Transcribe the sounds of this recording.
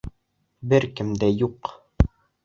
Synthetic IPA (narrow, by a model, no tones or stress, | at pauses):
bɘɾkɘ̆md̪æjuq